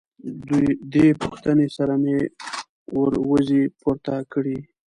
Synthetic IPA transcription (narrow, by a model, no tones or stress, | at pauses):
d̪ujd̪epuxt̪ənesaɾame | wəɾwəzipuɾt̪akɽi